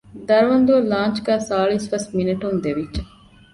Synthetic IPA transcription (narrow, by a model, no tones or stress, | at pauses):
d̪ɐɾʋɐnd̪uɐlaːnt͡ʃɡæːsaːɭisʋɐsminɐʈund̪eʋiʒɐ